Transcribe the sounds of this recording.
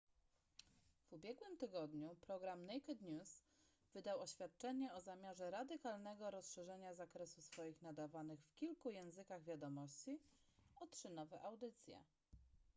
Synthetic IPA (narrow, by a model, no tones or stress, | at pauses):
v̥ubʲjɛɡwɘmt̪ɘɡɔd̪ɲupɾɔɡɾamnɛjkɛd̪ɲʲus | v̥ɘd̪awɔɕfʲjat̪̚t͡ʂɛɲɛɔzamʲjaʐɛɾad̪ɘkalnɛɡɔɾɔsʂɛʐɛɲazakɾɛsusfɔjixnad̪avanɘxfkʲilkujɛ̃w̃zɘkaɣvʲjad̪ɔmɔɕt͡ɕi | ɔtʂɘnɔvɛʔawd̪ɘt̪sʲjɛ̰